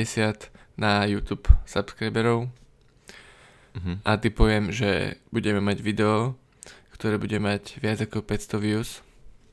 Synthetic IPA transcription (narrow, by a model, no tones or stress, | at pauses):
ɛsɪat̪najuːt̪uːpsapskɾajbɛɾɔʊ | ʔat̪ipɔʋɪɛmʒɛ̰buɟɛmɛmaɟʋid̪ɛɔ | kt̪ɔɾɛːbuɟɛmaɟʋɪad͡zakɔpɛcst̪ɔʋius